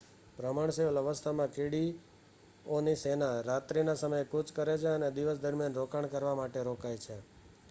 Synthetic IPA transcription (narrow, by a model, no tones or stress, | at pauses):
pɾəmaɳseʋələʋəst̪ʰamãkeɽi | onisenaɾat̪ɾinasəməjkut͡ʃʰkəɾet͡ʃʰeəned̪iʋəsd̪əɾmijanɾokaɳ̃kəɾʋamaʈeɾokajt͡ʃʰe